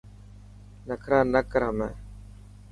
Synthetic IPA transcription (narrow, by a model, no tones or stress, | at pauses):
nəkʰɾãːnəkɾaːmɛ̰̃ː